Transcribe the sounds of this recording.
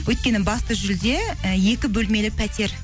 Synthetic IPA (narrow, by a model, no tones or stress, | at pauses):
wʔɵjt̪̚kʲe̞nɪbɑst̪əʒʏld̪e̞je̞kʲɪbɵlme̞lɪk̚pʰæt̪e̞ɾ